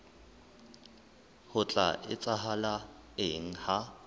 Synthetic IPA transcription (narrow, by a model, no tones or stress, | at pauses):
hʊt͡ɬʼa̰ʔɪ̰t͡sʼaɦala | ɪŋ̩ha